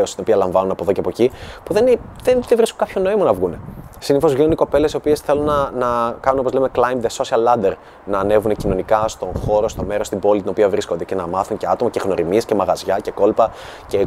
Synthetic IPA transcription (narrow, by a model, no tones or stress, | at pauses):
ost̪ino̞piɐlɐɱvɐnunɐpo̞ðo̞ceɐpocipuðe̞nðenðevɾiskokɐpʰço̞noimɐnɐvɣunesiniθo̞zvʝinuniko̞pe̞le̞sio̞pie̞sθe̞lunːɐnɐkɐnunop̬ozleme̞klɐjmðeso̞siɐlːɐd̪e̞ɾ | nɐːne̞vunecino̞nikɐst̪oxo̞ɾo̞st̪o̞me̞ɾost̪ibo̞lit̪ino̞piɐvɾiskond̪ece̞nɐmɐθuɲce̞ɐt̪o̞mɐcexno̞ɾimie̞sce̞mɐɣɐzʝɐce̞ko̞lpɐ | ce